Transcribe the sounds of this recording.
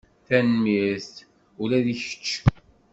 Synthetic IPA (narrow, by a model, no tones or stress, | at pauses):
θænmist̪ | ulæðiçə̥t͡ʃː